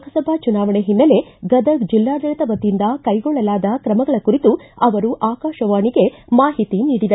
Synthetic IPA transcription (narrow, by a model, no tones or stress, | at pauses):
kʰɐsɐbʱɐt͡ʃunaːʋɐɳeɦinːɐle̞ɡɐd̪ɐd͡ʒilːaːd̪ɐɭɐt̪ɐʋɐd̪ːind̪ɐkɐjɡɔɭːɐlaːd̪ɐkɾɐmɐɡɐɭɐkuɾit̪uɐʋɐɾuʔaːkaːʃɐʋaːɳiɡe̞maːɦit̪iniːɽid̪e